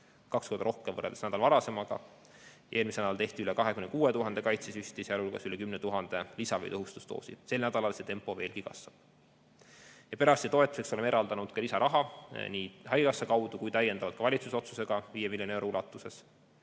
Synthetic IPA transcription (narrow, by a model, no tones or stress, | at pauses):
kɑkskord̪ɑɾo̞hkemvɤreld̪e̥snæd̪ɑlvɑɾɑse̞mɑɡ̥ɑ̰ | jɑʔe̞ːlmisenɑlt̪eht̪iylekɑɦekymnekuːet̪uɦɑnd̪̥e̞kɑjt̪sesyst̪isiɑlulɡ̥ɑsylekymnet̪uɦɑnd̪̥e̞lisɑvɤ̰jt̪ɤɦust̪u̥st̪o̰ːsḭd̥̪se̞lnæd̪̥ɑlɑlse̞t̪e̞mpːˑo̞ve̞ːlɡ̥ikɑ̰svɑb̥ | jɑpe̞ɾɑst̪it̪o̞e̞t̪ːˑu̥se̞ksolemeɾɑld̪ɑnud̪̥kɑlisɑɾʔɑɦɑniːɦɑjɡɑsːɑkɑwd̪̥ukujt̪æje̞nd̪̥ɑvɑd̪̥̚kɑvɑlʲit̪suso̞t̪suse̞ɡ̥ɑviːjemilʲjonewɾoulɑt̪ːˑuse̞s